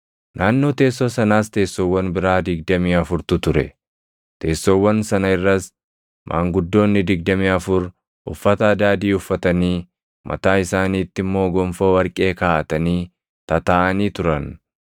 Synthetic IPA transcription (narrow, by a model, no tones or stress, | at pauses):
nʔaːnːo̞ːt̪e̞ːsːoːsɐnaːst̪e̞ːsːowːɐnbɪɾaːd̪ɪɡ̚d̪ɐmiːɐfʊɾt̪ʊt̪ʊɾɛ̰ | t̪e̞ːsːowːɐnsɐnɐɪrːɐs | mʔa̰ːŋɡʊd̪ːo̞ːnːɪd̪ɪɡ̚d̪ɐmiːɐfʊɾ | ʔʊfːɐt̪ɐɐd̪aːd̪iːʊfːɐt̪ɐniː | mʔɐ̰t̪aːɪsaːniːt̪ːɪmːo̞ːɡɔmfo̞ːwɐɾkʼe̞ːkaːʔɐt̪ɐniː | t̪ɐt̪aːʔɐniːt̪ʊɾɐn